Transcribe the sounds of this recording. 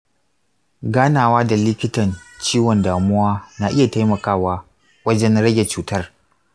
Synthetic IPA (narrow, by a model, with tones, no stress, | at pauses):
ɡaː˦naː˨waː˦da˨lɪ˦kʲɪ˦tɐ˨nt͡ʃiː˦wɔ˨ndaː˨mʊ˦waː˦naː˨ʔɪ˦ja˨ta˦jmɐ˨kaː˦waː˦ | wɐ˦d͡ʒɛ˦nɽɐ˦ɡʲe˨t͡ʃuː˨tɐ˦r